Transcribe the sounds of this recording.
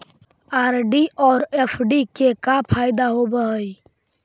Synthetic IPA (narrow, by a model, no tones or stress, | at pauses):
aːɾɖiʔɔːɾepʰɖikekapʰaɪd̪aɦobəɦəj